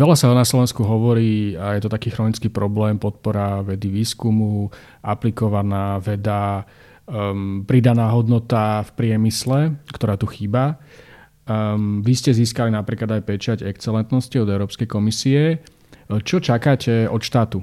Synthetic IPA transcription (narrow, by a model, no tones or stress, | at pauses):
ʋɛlasaɔnaslɔʋɛnskuɦɔʋɔɾiːajɛt̪ɔt̪akiːxɾɔnit͡skiːpɾɔblɛːmpɔt̪̚pɔɾaʋɛd̪iʋiːskumu | ʔaplikɔʋanaːʋɛd̪a | pɾid̪anaːɦɔd̪nɔt̪afpɾɪɛmislɛkt̪ɔɾaːt̪uxiːba | ʋiscɛziːskalinapɾiːklad̪ajpɛt͡ʃaɟɛkt͡sɛlɛnt̪nɔsciɔd̪ɛʊɾɔːpskɛjkɔmisiɛ | t͡ʃɔt͡ʃakaːcɛɔt̪ʃt̪aːt̪u